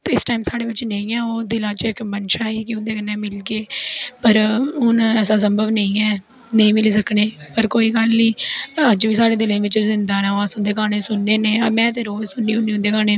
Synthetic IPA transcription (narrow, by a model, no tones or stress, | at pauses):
t̪ːɪsʈaːimsaːɽeːʋɪt͡ʃːnəĩːɛːoːd̪ɪlãːt͡ʃɪkmənʃaːiːkɪʊ̃nd̪eːkənːeːmɪlɡeːpəɾʊnɛːs̬ãːs̬əmbəʋnəĩːɛː | nəĩːmɪliːs̬əkneːpəɾkoːiːɡəlniːəd͡ʒʋiːsaːɽeːd̪ɪlẽːʋɪt͡ʃzɪnd̪aːnaːaːsʊnd̪eːkaːnẽːsʊnːeːneːmɛ̃ːt̪ẽːɾoːzsʊnːiːʊnːiːʊ̃nd̪eːkaːneː